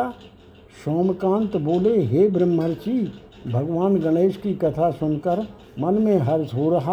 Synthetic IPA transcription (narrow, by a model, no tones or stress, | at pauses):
ʃɔːmkãːnt̪boːleɦeːbɾəmːəɾt͡ʃiː | bʱɐɡʋaːnɡəɽeːʃkikɐt̪ʰasʊnkəɾ | mɐnmẽɦɐɾsɦoːɾɐɦa